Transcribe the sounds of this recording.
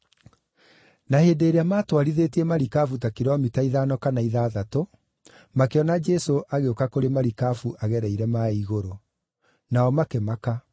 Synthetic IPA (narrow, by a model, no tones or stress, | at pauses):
naheːndeːɾeamaːtwaɾiðeːtiɛmaɾikafutakiɾɔmitaiðaːnɔkanaiðaːðato | makeɔnad͡ʒɛsoʔaɣeokakoɾemaɾikafuʔaɣɛɾɛiɾɛmaiɣoɾo | naɔmakemaka